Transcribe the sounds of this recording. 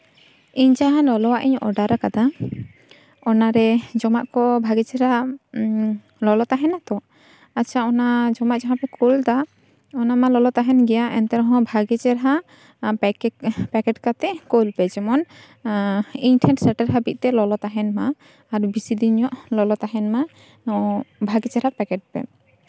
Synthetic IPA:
iɲd͡ʒaɦãlɔlɔwaʔiɲɔ̰ɖaɾakad̪a | ɔnaɾɛd͡ʒɔmaʔkɔbʱaɡɛt͡ʃɛɾha | lɔlɔt̪aɦɛnat̪ɔ | at͡ʃʰaɔnad͡ʒɔmaʔd͡ʒaɦãpɛkold̪a | ɔnamalɔlɔt̪aɦɛnɡɛjaʔɛnt̪ɛɾɔɦɔ̃bʱaɡɛt͡ʃɛɾɦa | pɛkɛʈkat̪ɛkolpɛd͡ʒɛmɔn | iɲʈʰɛɳʈsɛʈɛɾɦabit̪̚ˀt̪ɛlɔlɔt̪aɦɛnmaː | ɾbisid̪iɲɔʔlɔlɔt̪aɦɛnma | nɔbʱaɡɛt͡ʃɛɾapɛkɛʈ̚pɛ̰

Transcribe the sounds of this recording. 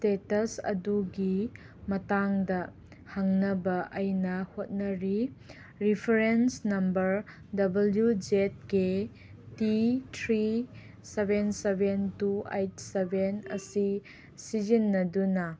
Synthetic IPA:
stetɐsɐ̰duɡi | mɐtaŋdɐ | haŋnɐbɐʔɐjnɐhot̚nɐɾi | ɾipʰɐɾensnɐmbɐɾ | dɐbɐljud͡ʒet̚ke | titʰɾi | sebensebentuejt̚sebenɐ̰si | sid͡ʒinːɐdunɐ

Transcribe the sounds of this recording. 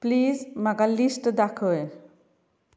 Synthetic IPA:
pliːd͡zmaɡalisʈd̪akʰəj

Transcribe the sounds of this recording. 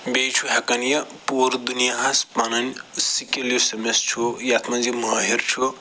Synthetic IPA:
bejt͡ʃʰuɦɐkɐnjɐpoɾd̪unijaɦɐspanɐnʲsikʲeljisɐmest͡ʃʰujat̪ʰmɐzimɐɦeɾt͡ʃʰu

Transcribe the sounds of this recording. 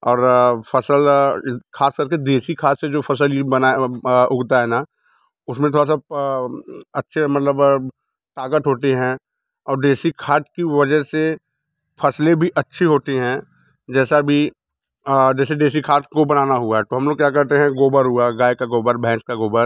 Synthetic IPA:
ɔːɾpʰɐsəlkʰaːskɐɾked̪eːsikʰaːʈ̪sed͡ʒoːpʰɐs̬əlibənaʊɡt̪aɦɛna | ʊsmẽt̪ʰoːɽas̬a | ɐtːʃʰemɐt̪ləb | ʈaːɡəʈɦoːt̪eɦɛ̃ | ɔːɾɖeːsikʰaːɾʈ̚kiʋɐd͡ʒəse | pʰɐslẽbʱiʔɐtːʃʰiɦoːt̪iɦɛ̃ː | d͡ʒɛːsabʱi | d͡ʒɛːseɖeːsikʰaːʈkobɐnaːnaɦuaɦɛt̪oɦɐmloːɡ̚kjaːkɐɾt̪eɦɛ̃ɡoːbəɾɦʊaɡaːjkaɡoːbəɾbʱɛ̃ːskaɡoːbəɾ

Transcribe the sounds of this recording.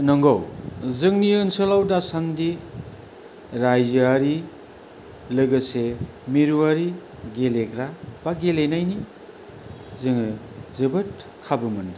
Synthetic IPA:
nɔŋɡɔwzɯŋniɯnsɯlawdasandi | ɾajzaɾi | lɯɡɯse | miɾuaɾi | ɡelekɾab̥aɡelenajni | zɯŋɯ | zɯbɯt̚kʰabɯmɯndɯ

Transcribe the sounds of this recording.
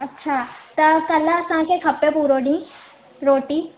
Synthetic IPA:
ɐtːʃʰat̪ɐkɐlakãkekʰɐpːepuɾoɽĩ | ɾoːʈiː

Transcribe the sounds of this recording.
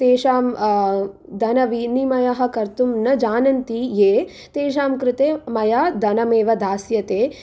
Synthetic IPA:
t̪eːʃaːm | d̪ʱɐnɐʋinimɐjɐɦɐ̆kɐɾt̪umnɐd͡ʒaːnɐnt̪ijeː | t̪eːʃ̬aːmkɾɪt̪eːmɐjaːd̪ɐnɐmeːʋɐd̪ʱaːsjɐt̪eː

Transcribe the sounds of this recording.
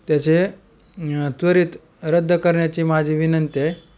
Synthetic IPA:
t̪jat͡se | t̪ʋəɾiːt̪ | ɾəd̪ʱːəkəɾɳjat͡ɕiːmad͡ʑʱiːʋinənt̪e

